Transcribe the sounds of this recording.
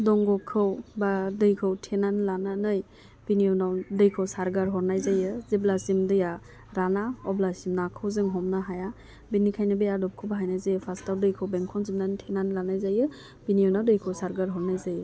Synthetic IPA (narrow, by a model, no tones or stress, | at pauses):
dɔŋɡɔkʰːɯwbadɯjkʰɯwtʰenanlananɯj | b̥inijɔnawdɯjkʰɯwsaɾɡaɾɦɔɾnajzajɯziblasimdɯja | ɾanaɔblasimnakʰɯwzɯŋɦɔmnaɦaja | binːikʰajnɯbejadɔp̚kʰɯwbaɦajnajzajɯpʰastawdɯjkʰɯwbeŋkʰɔnzimnantʰenanlanajzajɯ | b̥inijɔwnawdɯjkʰɯwsaɾɡaɾɦɔɾnajzajɯ